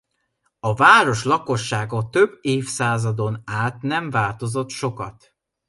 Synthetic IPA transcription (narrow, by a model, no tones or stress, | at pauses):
ɒvaːɾo̞ʃlɒko̞ʃːaːɡɒt̪ø̞bːeːfsaːzɒd̪o̞naːt̪nɛɱvaːlt̪o̞zo̞t̪ʃo̞kɒ̰t̪